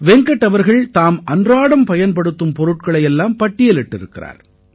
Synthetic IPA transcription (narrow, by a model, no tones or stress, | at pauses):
ʋɛŋɡɐʈːɐʋɐɾɣɐɭt̪aːmɐndraːɽɐmpɐjɐnpɐɽɯt̪ːɯmpɔɾɯʈkɐɭɐjɛlːaːmpɐʈːɪjɐlɪʈːɪɾɯkːɪra̰ːɾ